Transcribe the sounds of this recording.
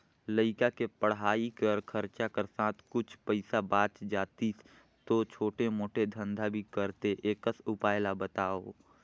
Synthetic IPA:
ləɪkakepəɽɦaːikəɾkʰəɾt͡ʃakəɾsãːt̪ʰkʊt͡ʃʰpəɪsabaːt͡ʃd͡ʒaːt̪i | t̪ot͡ʃʰoːʈemoːʈed̪ʱə̃nd̪ʱabʱikəɾt̪eʔeːkəsʊpaːjlabət̪aːoː

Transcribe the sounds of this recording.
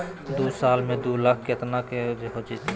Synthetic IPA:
d̪uːsaːlmẽd̪uːlakʰket̪naked͡ʒeɦod͡ʒi

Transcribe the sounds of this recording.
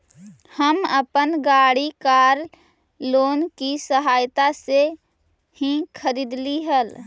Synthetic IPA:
həməpənɡaːɽikaːɾ | loːnkisəɦaːjt̪ase | hĩkʰəɾiːd̪liɦəl

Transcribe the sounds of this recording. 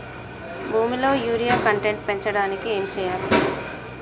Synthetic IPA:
bʱuːmilo̞ːjuːɾijaːkɐɳʈeɳʈ̚pe̞ɲt͡ʃɐɽaːnikie̞ːmt͡ʃɛːjaːli

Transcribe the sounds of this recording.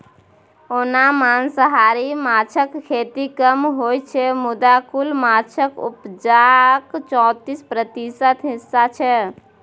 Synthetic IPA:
onamansəɦaɾimat͡ʃʰəkkʰːet̪ikəmɦojt͡ʃʰɛmud̪akulmat͡ʃʰəkṵpd͡ʒakt͡ʃɔ̃t̪ispɾət̪isət̪ɦisːat͡ʃʰɛ

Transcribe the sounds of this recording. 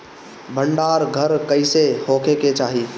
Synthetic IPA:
bʱəɳɖaːɾɡʱəɾkəɪsehoːkʰeket͡ʃaːɦiː

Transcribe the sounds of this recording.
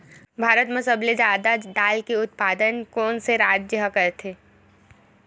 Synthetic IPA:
bʱaːɾət̪mẽsɐbled͡ʒaːd̪aɖaːlkeʊt̪̚paːd̪ənkɔːnseɾaːd͡ʒəɦkɐɾt̪ʰeː

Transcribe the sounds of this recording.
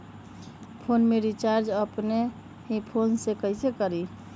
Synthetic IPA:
pʰonmeɾit͡ʃaɾd͡ʒəpne | ɦipʰonsekəɪsekəɾi

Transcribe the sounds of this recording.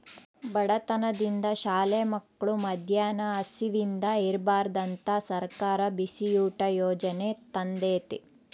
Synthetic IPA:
bɐɽɐt̪ɐnɐd̪ind̪ɐʃaːleːmɐkːɐɭumɐd̪ʱjaːnɐɐsiʋind̪ɐeɾbaːɾɐd̪ɐnt̪ɐsɐɾkaːɾɐbisijuːʈɐjɔːd͡ʒɐne̞t̪ɐnd̪eːt̪i

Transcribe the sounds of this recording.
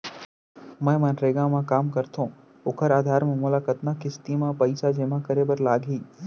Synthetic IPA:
mə̃ːmə̃nɾeːɡãmãkaːmkəɾt̪ʰõː | ʊkʰəɾaːd̪ʱaːɾmẽmʊlaːkət̪nakɪst̪imãpəɪsad͡ʒeːmãkəɾeːbəɾlaːɡɦiː

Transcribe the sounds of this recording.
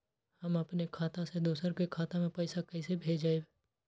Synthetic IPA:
hɐmɐpnekʰaːt̪ãsed̪oːsəɾkekʰaːt̪amẽpɐɪsakɐɪsebʱeːd͡ʒaːe

